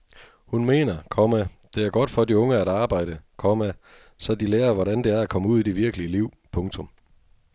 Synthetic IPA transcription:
hunme̝̰ːnɐkʰɒmæ | d̥e̝æɐɡ̥ɒ̽d̥fɒ̽d̥iɔ̽ŋəæɾɑ̈ːb̥ɑ̈ɪ̰ɾ̥əkʰɒmæ | sɒ̽d̥ileːɐʋɒɾænd̥e̝æɐækʰɒ̽məuð̰ˠid̥e̝ʋiɐɡ̥əliəliʊ̰pʰɔ̽ŋt͡sʰɔ̽m

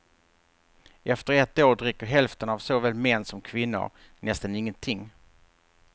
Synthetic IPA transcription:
ʔɛft̪əɾɛt̪ːoːɖɾɪkːəɾɦɛlft̪ənavsovɛːlmɛnːsɔmkʰvɪnːʊ̰ɾ | nɛst̪anɪŋːənt̪ʰɪŋː

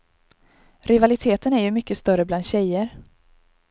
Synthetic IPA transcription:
ɾɪvalɪt̪ʰeːt̪ənæɾjɵmʏkːəst̪œɾəbland̪ɕɛjəɾ

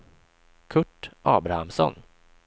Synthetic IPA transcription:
kʰɵʈːʔɑːbɾahamsɔ̰n

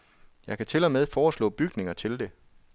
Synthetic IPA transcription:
jɑ̈ɪkʰæt͡sʰe̝lɒmeð̞ˠfɒːslɔ̰̽ːb̥yɡ̥ne̝ŋɐt͡sʰe̝ld̥e̝

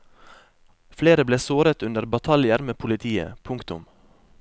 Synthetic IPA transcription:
fleːɾəbleːsoːɾət̪ʉnd̪əɾbɑt̪ʰɑljəɾmeːpʰʊlɪt̪ʰiːə̰pʰʊŋkt̪ʊ̰m

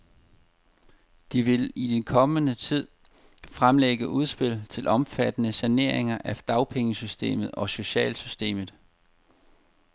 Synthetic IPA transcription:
d̥iʋe̝lid̥enkʰɒ̽mənət͡sʰið̞̰ˠ | fʁamleɡ̥əʔuð̞ˠsb̥e̝lt͡sʰe̝lʔɒ̽mfæd̥ənəsæne̝ɐ̰eŋɐʔæd̥ɑ̈ʊpʰeŋəsysd̥e̝̰ːmð̞̩ˠɒ̽so̝ɕɛ̰ːlsysd̥e̝̰ːmð̩ˠ

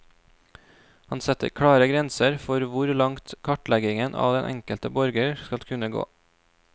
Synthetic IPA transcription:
hɑnsɛt̪ə̰ɾkʰɽɑːɾəɡɾɛnsəɾfɔɾʋʊɾlɑŋt̪kʰɑʈlɛɡɪŋənʔɑ̰ːʋd̪ɛnʔɛ̰ŋkəlt̪əbɔɾɡəɾskɑlkʰʉnəɡo̰ː

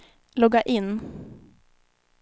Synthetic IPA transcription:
lɔɡaʔɪnː

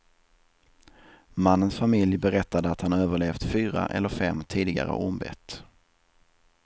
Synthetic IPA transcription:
manːənsfamɪljbɛɾɛt̪ːad̪əat̪hanøːvəɭeːft̪fyːɾa̰ʔɛ̰lːəɾfɛmːt̪ʰiːd̪ɪɡa̰ɾə̰ʔʊmbɛ̰t̪

